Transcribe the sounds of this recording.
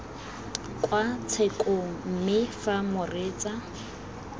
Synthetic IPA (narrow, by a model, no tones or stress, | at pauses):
kʼwat͡sʰekʼoŋ̩m̩mɪfamʊrɪːt͡sʼa